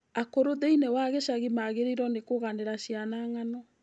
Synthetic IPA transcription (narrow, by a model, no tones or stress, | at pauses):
akoɾoðeinewaɣeʃaɣimaɣeɾiɾɔnekoɣaneɾaʃianaŋanɔ